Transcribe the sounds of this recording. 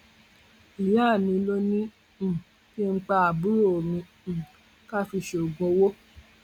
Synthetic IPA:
i˨˦a˦˨mĩ˧lo˦nĩ˦˨ | ki˦ŋ̩˦k͡pa˧a˨bu˦ɾo˦o˨mĩ˧˨ | ka˦fi˧ʃo˨ɡõ˧˦wo˦

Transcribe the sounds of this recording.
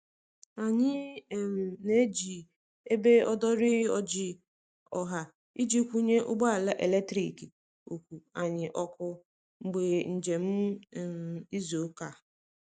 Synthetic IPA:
a˨ɲɪ˦˨m̩˨ne˦d͡ʒi˨ | e˦be˦ɔ˦dɔ˦ɾɪ˦ɔ˦d͡ʒɪ˦ | ɔ˨ɦa˨ | i˦d͡ʒi˦kʷu˦ɲe˦ʔʊ˦ɡ͡ba˦a˨la˦ʔe˨le˦k̚tɾi˨ki˨ | o˨kʷu˨a˨ɲɪ˨ʔɔ˨kʊ˨ | ŋ͡m̩˨ɡ͡be˨n̩˨d͡ʒe˨m̩˦˨m̩˨i˦zo˨˦ka˨

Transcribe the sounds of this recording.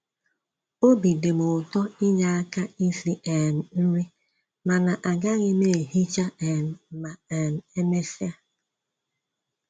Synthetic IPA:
o˦bi˨de˨mʊ˨tɔ˦i˦ɲa˦a˦ka˦i˦si˦ɛ˨n̩˨n̩˦ɾi˦ | ma˨na˨ʔa˨ɡa˦ɣɪ˦me˦˨e˨ɦi˦t͡ʃa˦ɛ˨n̩˨ma˨ɛ˨n̩˨e˦me˦si˦a˦

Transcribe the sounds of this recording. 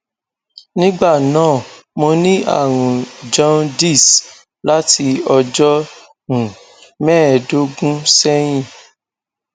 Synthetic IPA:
nĩ˦ɡ͡ba˦˨nãː˦˨mo˧nĩ˦a̰˦˨ɾ̃ũ˨d͡ʒɔ̃˦ndi˦˨s | la˦ti˧ɔ˧d͡ʒɔ˦ | ɾũ˨ | mɛ̃ː˦˨do˨˦ɡũ˦sɛ˦j̃ĩ˦˨

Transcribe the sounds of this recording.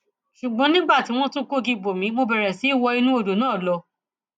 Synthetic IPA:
ʃu˨ɡ͡bɔ̃˧˦nĩ˦ɡ͡ba˦˨ti˨˦w̃ɔ̃˦tũ˦ko˦ɡi˧ɡ͡bo˨mĩ˨˦mo˧bɛ˨ɾɛ˨si˨˦i˦˨wɔ˧i˧nũ˦o˦˨do˨nãː˦˨lɔ˧

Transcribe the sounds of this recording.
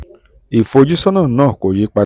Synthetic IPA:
i˨fo˧d͡ʒi˦sɔ˦nãː˦˨nãː˦˨ko˨d͡ʒi˨˦k͡pa˧

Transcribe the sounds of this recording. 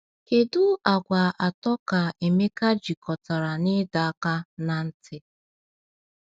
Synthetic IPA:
ke˨dʊ˦a˨ɡʷa˨ʔa˨tɔ˦ka˨e˨me˦ka˦d͡ʒi˨kɔ˨ta˨ɾa˨nɪ˦da˨a˦ka˦na˨n̩˦tɪ˦

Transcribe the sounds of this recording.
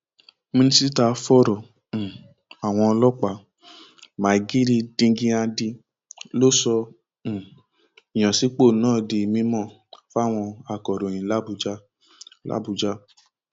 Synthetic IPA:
mĩ˧ni˦si˦ta˧fɔ˦ɾɔ̃˨ | a˨w̃ɔ̃˧ɔ˧lɔ˦k͡pa˦˨ | ma˨ɡi˦ɾi˧dĩ˧ɡĩ˧˦a˧di˧ | lo˦sɔ̃˧˨ | i˨j̃ã˨si˨˦k͡po˦˨nãː˦˨di˧˨mĩ˨˦mɔ̃˦˨ | fa˦˨w̃ɔ̃˧a˧˨kɔ˨ɾo˨j̃ĩ˨˦la˦bu˧d͡ʒa˦ | la̰˦bu˧d͡ʒa˧˦

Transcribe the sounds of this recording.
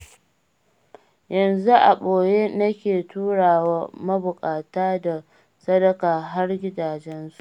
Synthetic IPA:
jɐ˨nzu˦ʔa̰˨ɓoː˨je˦nɐ˦kʲeː˨tuː˦ɽaː˨waː˦mɐ˦bʊ˨kʼaː˨taː˦da˨ | sɐ˦dɐ˦kaː˨ɦa˦rɡʲɪ˦daː˨d͡ʒɛ˦nsu̥˨ʔ

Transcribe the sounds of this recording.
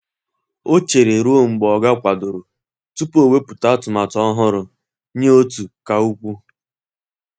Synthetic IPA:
o˦t͡ʃe˨ɾe˨ɾu˦o˦ŋ͡m̩˨ɡ͡bɔ˨ɡa˦kʷa˨dʊ˨ɾʊ˨ | tu˦po˨we˦pu˨ta˦a˦tʊ˨ma˨tɔ˦ɦʊ˦ɾʊ˨ | ɲe˦o˦tu˨ka˨u˦kʷu˦

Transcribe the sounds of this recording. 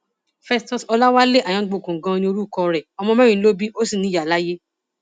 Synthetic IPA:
fɛ˧stɔ˨sɔ˧la˦wa˦le˦ʔa˨j̃ã˨˧˦ɡ͡bo˦˨kũ˨ɡã˨˧nĩ˧o˧ɾu˦˨kɔ˧ɾɛ˨ɔ˧mɔ̃˧mã˦ĩ˨˦lo˦bi˦ʔo˦si˨nĩ˧˦ja˨la˦je˦

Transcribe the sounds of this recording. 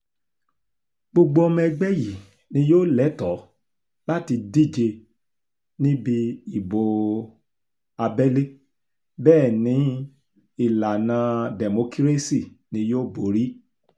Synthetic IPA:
ɡ͡bo˧ɡ͡bo˧˦ɔ˧mɛ̃˧ɡ͡bɛ˦ji˨ | nĩ˧joː˦˨lɛ˨˦tɔ˨˦ | la˦ti˧di˦˨d͡ʒe˧ | nĩ˦bi˧i˨bo˨ | a˧bɛ˦le˦ | bɛː˦˨nĩ˨˦ | i˦˨la˨nã˧dɛ˨mo˧ki˦ɾe˦si˦˨nĩ˧joː˦˨bo˨˦ɾi˦

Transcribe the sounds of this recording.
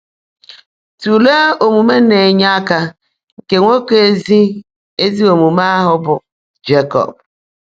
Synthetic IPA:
tu˨le˦o˨mu˨me˦ne˨ɲa˦ka˦ | ŋ̩˨ke˨ŋʷo˦ke˦zi˦ | e˦zi˦o˨mu˨ma˦a˦ɦʊ˦bʊ˨ | d͡ʒe˦kɔ̰˨p̚

